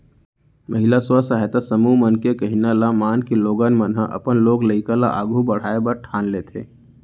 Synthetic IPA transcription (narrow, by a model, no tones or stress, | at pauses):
mʔɐɦɪlaswasaːɦɛt̪asəmumənkekɐɦinalamaːnkeloːɡaːnmənɦaʔɐ̰pənloːɡləɪkala̰ʔaːɡʱubɐɽ̤aːebəɾʈʰaːnleːt̪ʰḛː